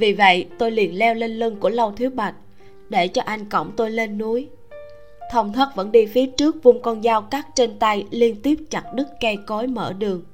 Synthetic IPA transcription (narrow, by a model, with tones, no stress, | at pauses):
vi˨˩və̰˧˨jt̪o˧jli˨˩ənlɛ˧wle˧nlɨ˧ŋku˧˩ələ˧wt̪ʰwi˦ət̚ɓa˨˩jk̟̚ | ɗe˧˩t͡ɕɔ˧ʔa˧jŋ̟kə̰˧˩wŋ͡mt̪o˧jle˧nːu˨˦əj | t̪ʰə˧wŋ͡mt̪ʰə˦˥t̚və̰˧˥nɗi˧fi˨˦ət͡ɕɨ˦˥ək̚vu˧ŋ͡mkɔ˧nzaː˨˦wkaː˦˥k̚t͡ɕe˧nt̪a˧jli˧ənt̪i˦˥əp̚t͡ɕa˨˩t̚ɗɨ˦˥k̚kɛ˧kɔ˨˦jmə̰ː˧˩ɗɨ˨˩əŋ